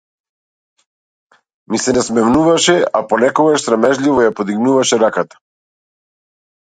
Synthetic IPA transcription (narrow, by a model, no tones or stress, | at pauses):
misɛnasmɛmnuvaʃɛapɔnɛkɔɡaʃsɾamɛʒlʲivɔjapod̪iɡnuvaʃɛɾakat̪ḁ